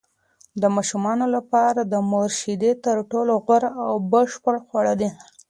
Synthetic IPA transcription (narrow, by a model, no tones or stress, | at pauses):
d̪əmɑʃumɑnolapɑɾad̪əmoɾʃid̪et̪əɾʈoloɣwaɾawbəʂpəɽxwaɽad̪i